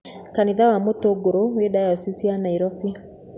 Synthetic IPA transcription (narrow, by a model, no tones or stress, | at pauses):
kaniðawamotoɡoɾowedajɔsisianaiɾɔfi